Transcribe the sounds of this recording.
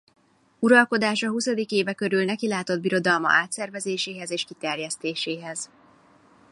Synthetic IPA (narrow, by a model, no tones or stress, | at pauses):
uɾɒlko̞d̪aːʃɒɦusɒd̪ikeːvɛkø̞ɾylnɛkilaːt̪o̞d̪̚biɾo̞d̪ɒlmɒ̰ʔaːt̪sɛrvɛzeːʃeːɦɛzeːʃkit̪ɛrjɛst̪eːʃeːɦɛz